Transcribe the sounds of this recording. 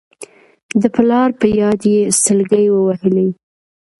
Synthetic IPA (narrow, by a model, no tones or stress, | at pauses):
d̪əplɑɾpəjɑd̪jesəlɡəjwəwahəli